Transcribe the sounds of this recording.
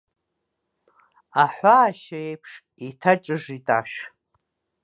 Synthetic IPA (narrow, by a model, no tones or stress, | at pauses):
aħʷaːʃaejpʰʂ | itʰat͡ʃʼɨʐitʼaʃᶣ